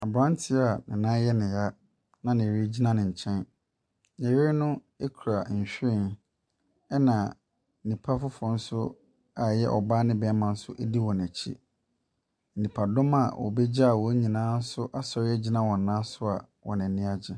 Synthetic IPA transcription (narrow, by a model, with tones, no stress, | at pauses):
a˨bɾã˦n˦tʰɪ˦a˨nɪ̃˨nãː˦jɛ˦nɪ̃˨ja˦ | nã˦nɪ̃˨ɾi˦d͡ʑi˦nã˦nɪ̃˨ɲ̩˨t͡ɕʰɛ̃˦n | ɲɛ̃˨ɥe˦ɾɪ˦nʊ̃˦ | e˦kʰu˨ɾa˨ɲ̩˨ɕᶣɪ̃˦˨n | ɛ˦nã˨ | nĩ˨pʰa˦fʊ˦fɔ˨n̩˦sʊ˦ | a˨jɛ˦ʔɔ̰˨baː˦nɪ̃˦bɛ˦mã˨n̩˦sʊ˦ʔe˦di˦wɔ̃˨næ˨t͡ɕʰḭ˦ | n̩˨nĩ˨pʰa˨dɔ̃˦ma˨wʔɔ̰˨bɛ˦d͡ʑa˦a˨wɔ˨˦ɲĩ˨nãː˦n̩˦sʊ˦ʔa˦sɔ˨ɾɪ˦ɛ˦d͡ʑi˦nã˦wɔ̃˨n̩ː˨ãː˦sʊ˦a˨ | wɔ̰˨nɪ̃˨nɪ̃˦a˨d͡ʑɪ˦